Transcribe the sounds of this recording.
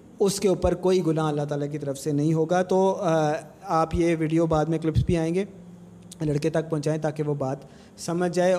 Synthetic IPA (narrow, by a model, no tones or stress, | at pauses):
ʊskeuːpəɾkoːiɡʊnãɐlːaɦt̪aːlak̬it̪ɐɾəfsenɐɦĩɦoːɡat̪oː | aːpjeʋiːɖijobaːd̪mẽklɪpsbʱiaːẽːɡeː | lɐɽket̪ɐk̚pɐ̃ɦt͡ʃaːẽt̪aːkeʋobaːt̪ | sɐməd͡ʒʱd͡ʒaːe